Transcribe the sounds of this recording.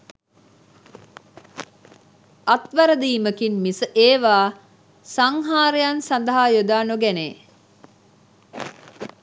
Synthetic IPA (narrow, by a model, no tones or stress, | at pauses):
at̪ʋaɾəd̪iːməkinmisəʔeːʋaː | saŋɦaːɾejansand̪əɦajod̪aːnoɡɛneː